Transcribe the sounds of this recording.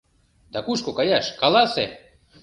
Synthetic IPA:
d̪̥ɑkuʃkokɑjaʃkɑlɑse

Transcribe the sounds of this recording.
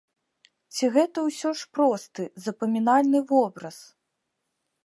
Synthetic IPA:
t͡sʲiɣɛt̪ɐwsʲɔʂpɾɔst̪ɨzɐpɐmʲinalʲnɨvɔbɾɐs

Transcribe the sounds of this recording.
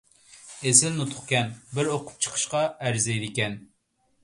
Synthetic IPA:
ezɪlnut̪ʰʊ̥χkʲɛnbɪɾoqʰʊ̥p̚t͡ʃʰə̥qʰə̥ʃqɑæɾzɛjd̪ɪkʲɛn

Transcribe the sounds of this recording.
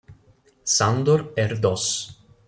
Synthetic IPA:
sand̪oɾɛɾd̪ɔs

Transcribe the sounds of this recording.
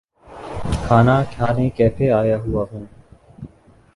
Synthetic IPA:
kʰaːnaːkʰjaːnẽːkɛːpʰeːaːjaːɦʊaːɦũː

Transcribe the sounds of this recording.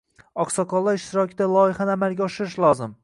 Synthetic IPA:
ɒqsɒqʰɒlˠːaɾɪʃt̪ɪɾɒkʲʰɪd̪alˠɒjɪχanamalˠɡʲaɒʃɪɾɪʃlˠɒzɪm

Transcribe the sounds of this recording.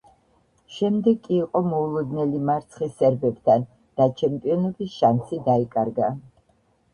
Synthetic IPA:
ʃɛmd̪ɛɡkʼːiːqʼɔmɔulˠɔd̪nɛlimaɾt̪sʰχisɛɾbɛbt̪ʰan | d̪̥at͡ʃʰɛmpʼiɔnɔbisʃansid̪aikʼaɾɡa

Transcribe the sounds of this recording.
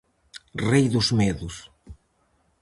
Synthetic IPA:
rejðʊzmeðʊs

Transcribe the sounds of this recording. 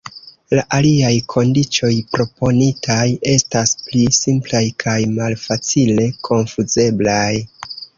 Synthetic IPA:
laʔaliajkʰo̞ndit͡ʃo̞jpɾo̞po̞nitʰaje̞stasplisimplajkʰajmalfat͡sile̞kʰo̞nfuze̞blaj

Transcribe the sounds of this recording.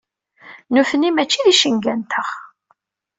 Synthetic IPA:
nufənimæt͡ʃːiðiʃəŋɡænt̪ʰəʁ

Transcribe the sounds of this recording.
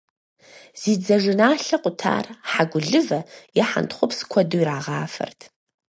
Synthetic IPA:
z̥iːd͡zɐʐɨnaːɬɐqʷʼʊtʰa̰ːrħaɡʷʊɮɨvɐjɛħa̰ntχʷʊpʰskʷʰɐduiɾaːʁaːfɐ̰rtʰ

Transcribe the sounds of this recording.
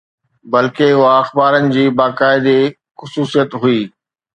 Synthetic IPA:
bɐlkeʊɦaɐxbaːɾənɪ̆d͡ʑiːbaːkaːɪd̪e | xʊsuːsijət̪ɦʊiː

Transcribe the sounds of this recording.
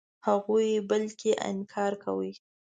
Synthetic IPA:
haɣujbəlkeʔa̰nkʰɑɾka̰wi

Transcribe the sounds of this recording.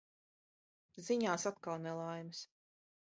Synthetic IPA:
ziɲaːsat̪̚kalˠnɛlˠajmɨs

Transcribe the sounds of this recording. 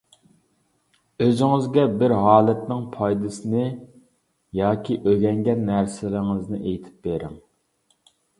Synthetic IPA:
øzɪŋɪzɡʲɛbɪɾɦɑːlˠɛt̪̚nɪŋpʰɑjd̪ɨsɪnɪ | jɑːkʲiʔøɡʲɛŋɡʲɛnːæɾsɪlɪŋɪznɪʔejt̪ʰɪ̥p̚beɾɪ̰ŋ

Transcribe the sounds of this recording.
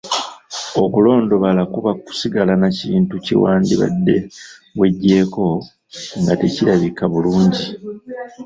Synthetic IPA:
o̞kulo̞ːndo̞βalakuβaku̥siɡalanaciːntucḭwaːndiβa̰dːe̞̰βwe̞ɟːe̞ːko̞ | ŋɡate̞ciɾaβikaβuluːɲɟi

